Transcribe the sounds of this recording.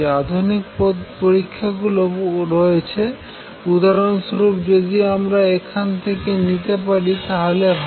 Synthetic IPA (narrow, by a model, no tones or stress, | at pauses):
ead̪ʱunikpɔd̪poɾikʰːaɡuloɾoet͡ɕʰe | ud̪aɾonsɾupd͡ʑod̪iamɾaekʰant̪ʰekenit̪epaɽit̪aɦale